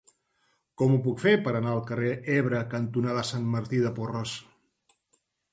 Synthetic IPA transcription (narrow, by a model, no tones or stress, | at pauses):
kɔmupukfepəɾənaəlˠkəreɛβɾəkənt̪unaðəsant̪məɾt̪iðəpurɔs